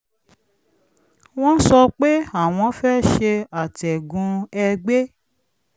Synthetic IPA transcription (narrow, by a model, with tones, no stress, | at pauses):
w̃ɔ̃˦sɔ˧k͡pe˦a˦˨w̃ɔ̃˧˦fɛ˦ʃe˧a˨tɛ˨ɡũ˧ɛ˧ɡ͡be˦